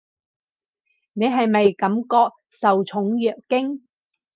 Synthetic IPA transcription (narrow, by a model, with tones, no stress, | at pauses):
ne˨˧jɦɐ˨jmɐ˨jkɐ˨˥mkɔː˧k̚ | sɐ˨wt͡ʃʰʊ˨˥ŋjœː˨kkɪ˥ŋ